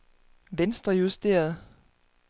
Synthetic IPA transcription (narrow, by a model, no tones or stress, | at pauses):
ʋensd̥ʁɐjusd̥e̝̰ːɐð̞̩ˠ